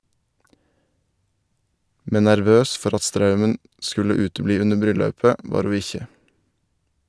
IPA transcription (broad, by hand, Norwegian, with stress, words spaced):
ˈmɛn næɾˈʋøːs ˈfɔɾ ˈɑt ˈstɾɑʉmən ˈskʉlə ˈʉːtəˌbliː ˈʉnəɾ ˈbɾʏˌlɑʉpə ˈʋɑːɾ ˈhuː ˈɪçə